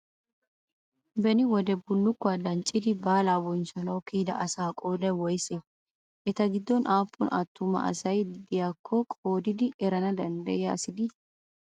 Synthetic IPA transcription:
bɛnɪwɔd̪ɛbʊlːʊkːʊad̪ɐnt͡ʃʼːɪd̪ɪbaːlaːwɔnsɔnɐwkiːd̪ɐ̰ʔɐsaːkʼoːd̪ɐwɔjsɛ | ʔɛt̪ɐɡɪd̪ːɔnʔaːpːʊnʔɐ̰t̪ːʊmɐ̰ʔɐ̰sɐjd̪ɪjakʰːɔkʼoːd̪ɪd̪ɪʔɛɾɐnɐd̪ɐnd̪ɐ̰jɐɐsɪd̪ɪ

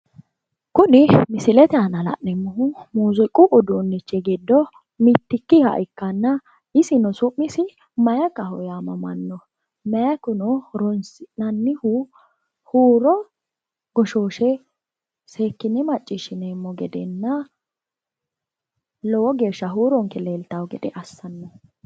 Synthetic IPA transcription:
kʊnɪmɪsɪlɛt̪ɛanɐlɐ̰ʔnɛmːɔɦʊmuːzʊkʼʊʔʊd̪uːnːɪt͡ʃːɛɡɪd̪ːɔ | mɪt̪ːɪkːɪhɐ̰ʔɪkːɐnːɐ | ɪsɪnɔsʊʔːɪsɪ | mɐjɐkɐhɔjamɐmɐ̰nːɔ | mɛjɐkʊnɔɾɔnsɪnɐnːɪhʊ | huːɾɔ | ɡɔʃoːʃɛ | se̞ːkːɪnɛmɐt͡ʃʼːɪʃɪnɛmːɔɡɛd̪ɛnːɐ | lɔwɔɡe̞ːʃːɐɦuːɾɔŋkɛleːlt̪ɐwɡɛd̪ɛʔɐsːɐnːɔ

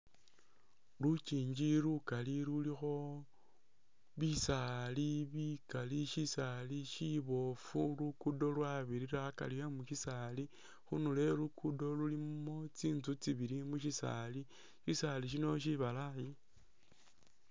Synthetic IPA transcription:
lut͡ʃiːɲd͡ʒiɾukaliɾulixo̞ | βisaliβikaliʃisaliʃiβo̞fulukudo̞lwaβiɾiɾaka̰liemuʃisali | xunule̞lukʰudo̞lulimo̞t͡siːnzut͡siβiɾimuʃisa̰li | ʃisaliʃ̬ino̞ʃ̬iβalaji

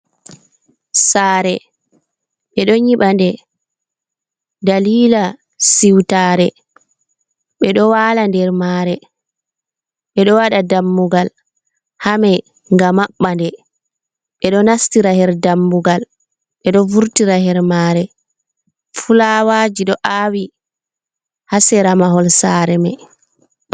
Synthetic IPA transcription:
saːɾɛ | ɓɛɗɔɲiɓandɛ | daliːla | siwtaːɾɛ | ɓɛɗɔwaːlandɛɾmaːɾɛ | ɓɛɗɔwaɗadamːuɡal | hamɛ | ŋɡamaɓːandɛ | ɓɛɗɔnastiɾahɛɾdamːuɡal | ɓɛɗɔvuɾtiɾahɛɾmaːɾɛ | fulawaːd͡ʒiɗɔʔaːwi | hasɛɾamaɦɔlsaːɾɛmɛ̰

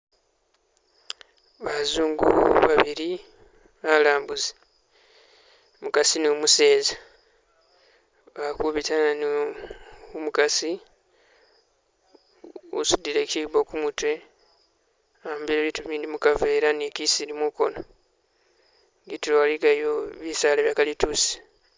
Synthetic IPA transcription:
βazuːŋɡṵβaβiɾi | βalaːmbuze̥ | mukasinumuse̞ːza | βakuβitani | umukasi | ṵsudiɾeciβo̞kumutwe̞ | ambiɾeβiːtuβiːndimukaveːɾanikisiɾimuko̞̰no | ŋɡituɾoalikajoβisaːleβjaːkalitusi̥

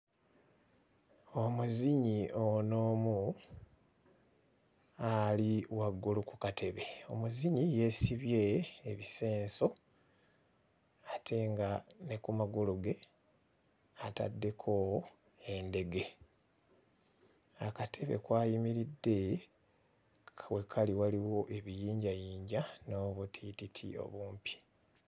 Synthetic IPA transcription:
o̞muziɲio̞no̞ːmu | aliwaɡːulukukatʰe̞βe̞o̞muziɲije̞siβje̞ːβise̞ːnso̞ | atʰe̞ŋɡane̞kumaɡuluɡe̞ | ata̰dːe̞kʰo̞ | e̞nde̞ɡe̞ | akatʰe̞βe̞̰kwaːjimiɾidːe̞ | we̞kʰaliwaliwo̞ʔe̞βijiːɲɟajiːɲɟano̞βutʰititʰḭo̞̰βuːmpi̥

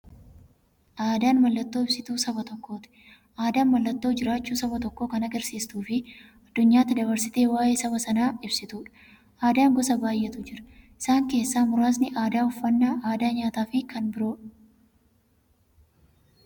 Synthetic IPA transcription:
ʔaːd̪aːnmɐlːɐt̪ːo̞ːɪbsɪt̪uːsɐbɐt̪ɔkːo̞ːt̪ɪ̥ | ʔaːd̪aːnmɐlːɐt̪ːo̞ːd͡ʒɪɾaːt͡ʃːuːsɐbɐt̪ɔkːoːkɐnɐɡɐɾsiːst̪uːfɪ | ɐd̪̥ːʊɲːaːt̪ːɪd̪ɐβɐɾsɪt̪e̞ːwaːje̞ːsɐβɐsɐnaːɪbsɪt̪uːᶑɐ̥ | aːd̪aːŋɡɔsɐbaːjːɛt̪ʊd͡ʒɪɾɐ̥ɪsaːŋke̞ːsːaːmʊɾaːs̬nɪʔaːd̪aːʊfːɐnːaːʔaːd̪aːɲaːt̪aːfɪkɐnbɪɾo̞ːᶑ

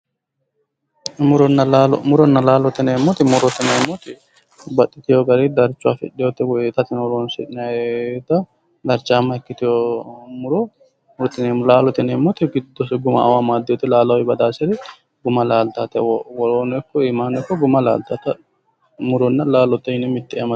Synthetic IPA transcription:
mʊɾɔnːɐlaːlɔmʊɾɔnːɐlaːlɔt̪ɪnɛmːɔt̪ɪmʊɾɔt̪ɪnɛmːɔt̪ɪ | bɐt̪ʼːɪt̪ɪjɔɡɐɾid̪ɐɾt͡ʃːʊafɛ̰ᶑɪjɔt̪ːɛwɔɛt̪ːɐt̪ɪnwɔloːnsɛt̪ɪnɐt̪ːɐ | d̪ɐɾt͡ʃːaːmːɐhɛkːɪt̪ɪjɔmʊɾɔ | mɾt̪ɪnlaːlɔt̪ɪnɛmːɔt̪ɪɡɪd̪ːɔsɡʊmɐ̰ʔɐ̰wamaːd̪ːɪjɔt̪ːɪlaːlɐwɛbɐd̪aːsɛɾɛ | ɡʊmɐlaːlt̪at̪ɛwɔwɔɾoːnɛkːɔɪmaːnɛkːɔɡʊmɐla̰ːlt̪at̪ɐ | mʊɾɔnːɐlaːlɔt̪ːɛʃɪnɛmɪt̪ːɪɛ̰jɐmɐ

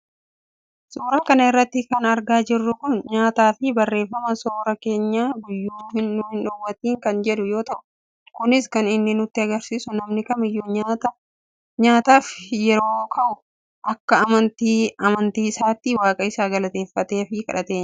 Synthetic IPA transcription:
sʼuːɾaːkɐnɐɪrːɐt̪ːɪkɐnɐɾɡaːd͡ʒɪrːʊkʊnɲaːt̪aːfɪbɐrːe̞ːfːɐmɐsoːɾɐke̞ːɲːaːɡʊjːuːhɪnːʊhɪnᶑɔwːɐt̪iːŋkɐnd͡ʒɛᶑʊjo̞ːt̪ɐʔʊ̥ | kʊnɪskɐnɪnːɪnʊt̪ːɪɐɡɐɾsiːsʊnɐmnɪkɐmɪjːoːɲaːt̪ɐ | ɲaːt̪aːfjɛɾo̞ːkʰɐʔʊ | ʔɐkːɐɐmɐnt̪iːɐmɐnt̪iːɪsaːt̪ːɪwaːkʼɐɪsaːɡɐlɐt̪e̞ːfːɐt̪e̞ːfɪkʼɐ̰ᶑɐt̪e̞ːɲ

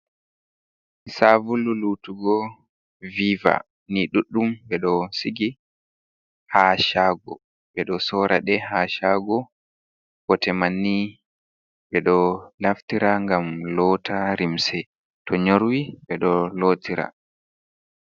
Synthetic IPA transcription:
savululutuɡɔ | viva̰ | niɗuɗːumbɛɗɔsiɡi | haʃaːɡɔ | ɓɛɗɔsɔːɾʔaɗɛhaːʃaɡɔ | kɔtɛmanːi | ɓɛɗɔlaftiɾaŋɡamlɔːtʰaɾimsɛ | tʰɔɲoɾwiɓɛɗɔlotʰiɾa̰

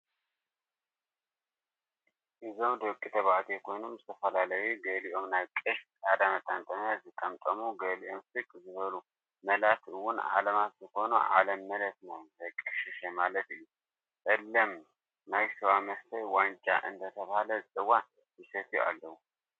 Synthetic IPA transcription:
ʔɨzowd̪okʼːit̪ʰəβat̪ʰekʰojnɨmjt̪ʰəfəlalajeɡəliʔomnakʼːəʃkʼad̪amət̪ʼant̪ʼənazɨkʼːəmt̪ʼəmuɡəliʔomsɨkʼzɨβəlu | məlat̪ʰɨwʊna̰ləmasiho̞nṵʔa̰ləmːələt̪nəwbəkʼəɨʃɪʃemalət̪ɨ | ʔɨlːəm | najsəwaməst̪əjwant͡ʃʼa̰ʔɨ̰nd̪ət̪ʰəβaləzʼɨwa | isət̪ʰia̰lːəhu

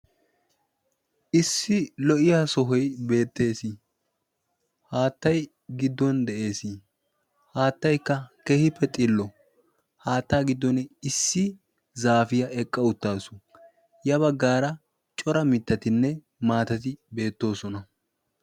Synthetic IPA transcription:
ʔɪsːɪlɔʔɪjaːsɔɦɔjbe̞ːt̪ːe̞ːsɪ | haːt̪ːɐj | ɡɪd̪ːɔnd̪ɛʔe̞ːsi | haːt̪ːɐjkːɐkeːhɪpːɛt̪ʼɪlːɔ | haːt̪ːaːɡɪd̪ːɔnɛɪsːɪ | zaːfɪjɐɛkʼːɐʊt̪ːaːsʊ̥ | jɐbɐɡːaːɾɐ | t͡ʃʼɔɾɐmɪt̪ːɐt̪ɪnːɛ | maːt̪ɐt̪ɪbe̞ːt̪ːo̞ːsɔnɐ

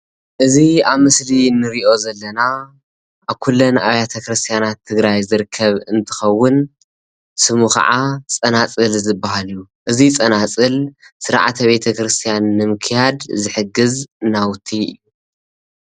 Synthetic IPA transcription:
ʔɨziaβmɨslinɨɾiʔo̞zɐlːɐna | ʔaβkʰulːɐna̰βjat̪ʰɐkɾɨst̪ʰijanat̪ʰːɨɡɾajzɨɾɨkʰːɐβɨnt̪ʰɨ̥xɐwːʊn | sɨmuxɐ̰ʕat͡sʼɐnat͡sʼɨlzɨbːaɦalju | ʔɨzit͡sʼɐnat͡sʼɨlsɨɾa̰ʕa̰t̪ʰɐβe̞t̪ʰɐkɾɨst̪ʰijanːɨmɨkʰjad̪zɨħɨɡɨznawʊt̪ʰːiɨ̰ju

